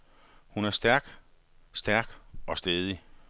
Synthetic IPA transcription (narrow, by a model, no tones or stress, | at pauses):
hunæɐsd̥æɐ̰ɡ̥ | sd̥æɐɡ̥ɒ̽sd̥eðˠi